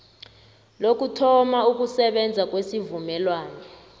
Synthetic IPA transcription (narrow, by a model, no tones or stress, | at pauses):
lok̬utʰɔmauk̬usɛɓɛnd͡zʱak̬ʼwesivumɛlwaːnɔ